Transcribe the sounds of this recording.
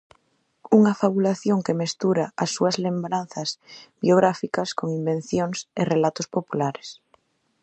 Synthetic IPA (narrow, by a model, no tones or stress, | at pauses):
uŋafaβulaθjoŋkemest̪uɾaasːuazlembɾan̟θazbjoɣ̞ɾafikaskoŋimbẽn̟θjoŋserelat̪ospopulaɾe̥s